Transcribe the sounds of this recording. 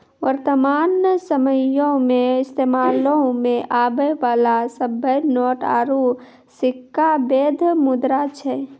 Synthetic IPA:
ʋəɾt̪əmaːnsəməjõmẽɪst̪eːmaːlõmẽʔaːbəʋaːlasəbəjnɔːʈa̰ːɾu | sɪkːabeːd̪ʱmʊd̪ɾat͡ʃʰɛ

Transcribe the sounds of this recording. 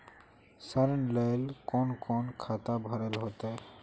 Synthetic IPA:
saɾnlelkɔnkʰɔnkʰat̪abʱɔɾelɦot̪a

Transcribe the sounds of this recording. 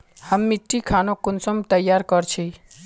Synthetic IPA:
həmːiʈːikʰanokʊnsɔmt̪əjːaɾkəɾt͡ʃʰi

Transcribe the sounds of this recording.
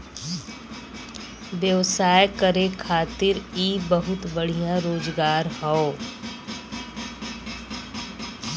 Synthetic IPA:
ʋjəʋsaːjkəɾekʰaːt̪ɪɾiːbəɦʊt̪bəɽ̤ijãɾoːd͡ʒɡaːɾɦɔo

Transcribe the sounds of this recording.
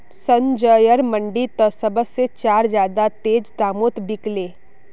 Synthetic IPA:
sə̃nd͡ʒəːjəɾmə̃ɳɖit̪əsəbəset͡ʃaːɾd͡ʒjaːd̪at̪eːd͡ʒd̪aːmoːt̪bɪkleː

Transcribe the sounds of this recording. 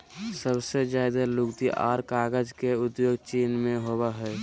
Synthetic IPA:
səbsed͡ʒaːɪd̪alʊɡt̪iʔa̰ːɾkaːɡəd͡ʒkeʊd̪joːɡt͡ʃiːnmẽɦoːbaɦɛ

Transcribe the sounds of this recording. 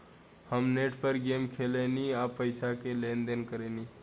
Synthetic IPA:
həmneʈpəɾɡemkʰeleniapəɪsakelend̪enkəɾeni

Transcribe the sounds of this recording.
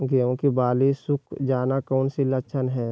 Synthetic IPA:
ɡeːõkibaːlisʊkʰd͡ʒaːnakɔːnsiləkʃʰənɦɛː

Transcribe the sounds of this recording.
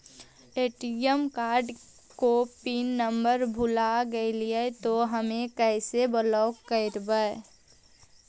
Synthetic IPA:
eːʈiəmkaːɾɖ | kopiːnːəmbəɾbʱʊlaɡəeliet̪oɦəmẽkɛɪsebəlɔːkːəɾbəe

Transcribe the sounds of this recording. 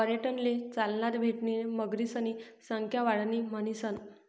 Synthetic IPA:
pəɾjəʈənlet͡salnat̪bʱeʈɳiːməɡɾiːsəni | səŋkʰjaʋaɽniːmənisən

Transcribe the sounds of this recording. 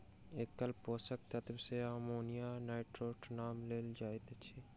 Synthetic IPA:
eːkkɐlpoːsək̚t̪ɐt̪bseaːmoːnijaːnaːɪʈɾoːʈnaːmleːld͡ʒaːet̪t͡ʃʰi

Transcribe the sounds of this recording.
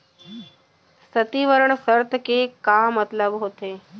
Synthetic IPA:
sət̪iːʋəɾəɽ̃səɾt̪ʰkekamət̪ləbɦoːt̪eː

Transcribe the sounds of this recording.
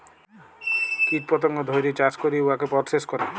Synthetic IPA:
kit̪̚pɔt̪ɔŋɡɔd̪ʱɔjɾit͡ʃaskɔɾiuakepɔɾseskɔɾe

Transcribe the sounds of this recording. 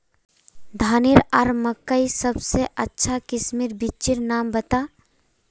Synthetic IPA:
d̪ʱaːniɾaɾməkːəisəbseʔətːʃʰakɪsmiɾbit͡ʃiɾnaːmbət̪aː

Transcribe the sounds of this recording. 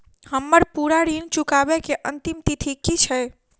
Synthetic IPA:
həmːəɾpuɾaɾint͡ʃukabekeʔənt̪imt̪it̪ʰikit͡ʃʰɛ

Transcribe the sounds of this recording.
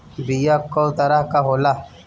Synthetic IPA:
bijakɔlt̪aɾahkaɦola

